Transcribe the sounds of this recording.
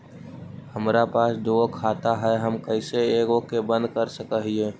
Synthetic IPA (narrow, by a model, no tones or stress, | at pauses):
həmɾapaːsd̪okʰat̪aɦɛɦəmkəɪseeːɡokebə̃nd̪̚kəɾsəkəɦie